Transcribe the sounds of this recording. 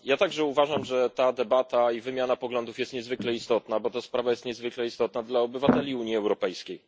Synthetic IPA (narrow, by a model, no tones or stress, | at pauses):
jat̪aɡʐɛuvaʐamʐɛt̪ad̪ɛbat̪aivɘmʲjanapɔɡlɔnd̪ufjɛst̪ɲɛzvɘklɛist̪ɔt̪nabɔt̪aspɾavajɛst̪ɲɛzvɘklɛist̪ɔt̪nad̪laɔbɘvat̪ɛlʲiuɲiɛwɾɔpɛjskʲej